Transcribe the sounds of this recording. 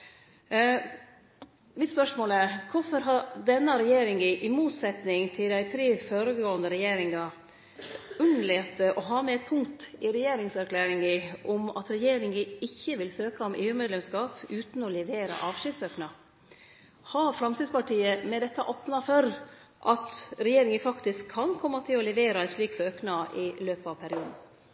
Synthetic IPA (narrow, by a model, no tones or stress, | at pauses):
ʋɪspœʂmoːləkʰʊfɔɾɦɑd̪ɛnːəɾɛjeːɾɪŋɪʔɪmuːt̪sɛt̪nɪŋt̪ʰɪld̪æɪt̪ʰɾeːføːɾəɡoːənd̪əɾɛjeːɾɪŋɑ | ʉnlɛt̪əʔɔɦɑːmɛɛt̪̚pʰʊŋt̪ɪɾɛjeːɾɪŋsæɾkʰlæːɾɪŋɡɪʔʊmɑ̰t̪ɾɛjeːɾɪŋɪɪçːəʋɪlsøːkɑɔmḛːʉːmɛːd̪lɛmskɑːpʉːt̪n̩ɔlɛʋeːɾɑ̰ʔɑːʋʂɪd̪søːknɑ | hɑfɾɑmsid̪spɑʈiːəmɛd̪ɛt̪ːɑʔɔpnɑfɔɾ | ʔɑt̪ɾɛjeːɾɪŋəfɑkt̪ɪskʰːɑnkʰɔmːɑt̪ʰɪlɔlɛʋeːɾɑæʂɭiːksøːknɑʔɪløːpɑʋpʰæɾɪuːd̪n̩